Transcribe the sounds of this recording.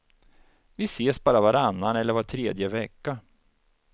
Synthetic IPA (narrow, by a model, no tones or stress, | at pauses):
vɪseːsbɑːɾavaɾanːanɛlːəɾvaʈʰɾeːd̪jəvɛkːa